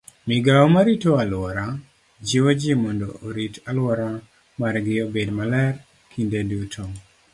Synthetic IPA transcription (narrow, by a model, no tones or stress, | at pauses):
mɪɡaomaɾitoalwɔɾa | d͡ʒiwod͡ʒimɔndoʔːɾitalwɔɾa | maɾɡɪobedmalɛr | kʰindedutʰo